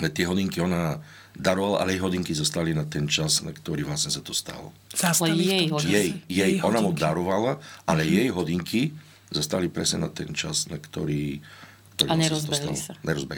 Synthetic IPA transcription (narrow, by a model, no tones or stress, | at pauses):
ɛt̪ɪɛɦɔd̪iŋkiɔna | d̪aɾɔʋala̰ʔalɛjɛjɦɔd̪iŋkizɔst̪alinat̪ɛnt͡ʃazna̰kt̪ɔɾiːʋlasɲɛsat̪ɔst̪a̰lɔ̰ | zajjɛjjɛjɔnamud̪aɾɔʋalaʔalɛjjɛjɦɔd̪iŋki | zɔst̪alipɾɛsɲɛ̰nat̪ɛnt͡ʃa̰znakt̪ɔɾiː | kt̪ɔɾimɲɛaɾstɔbɛst̪a̰ilɔaɲɛɾɔzbɛ